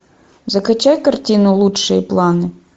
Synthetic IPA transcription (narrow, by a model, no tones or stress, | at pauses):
zɐxɐt͡ʃɑjkɐrtʲinʊlˠutʃɪjiplˠɑnɪ